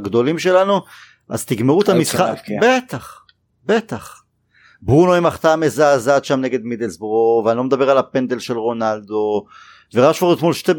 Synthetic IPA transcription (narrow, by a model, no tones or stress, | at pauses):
ɡd̪o̞limʃe̞lanu | ʔa̰zt̪iɡmeʁuet̪amisχabet̪aχ | be̞t̪aχ | bʁunoimaχt̪amezaːzat̪ʃamne̞ɡe̞d̪mid̪elsbʁoveanlo̞med̪abe̞ʁalapend̪elʃelʁo̞nald̪o̞ | veʁaʃvoʁet̪molʃte